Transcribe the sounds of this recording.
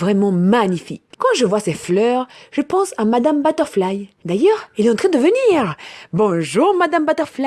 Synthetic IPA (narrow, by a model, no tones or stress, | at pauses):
vʁɛmɑ̃maɲifikkɑ̃ʒəvwasɛflœʁʒ̥əpɑ̃samad̪ambat̪ɔʁflajd̪ajœːʁilɛɑ̃t̪χɛ̃d̪əvəniʁbɔ̃ʒuʁmad̪ambat̪œʁfla